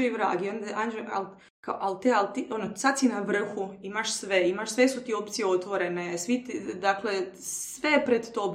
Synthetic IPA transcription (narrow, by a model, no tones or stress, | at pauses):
oiʋɾa̰ːɡiond̪eʔand͡ʒoa̰l | kaoʔalt̪ealt̪iʔo̞nosad̪sinaʋr̩xuimaʃsʋeimaʃsʋe̞sut̪io̞pt̪sijeo̞t̪ʋo̞ɾe̞nesʋit̪id̪akle̞sʋepɾed̪t̪ob